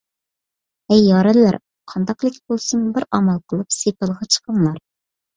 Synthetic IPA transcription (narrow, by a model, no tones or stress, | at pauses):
ɛjːɑːɾɛlːæɾ | qʰɑnd̪ɑqlˠɪkʲbolˠsɨmubɪɾɑmɑlˠqʰəlˠɨpsep̪əlˠʁɑt͡ʃʰə̥qʰəŋlˠɑɾ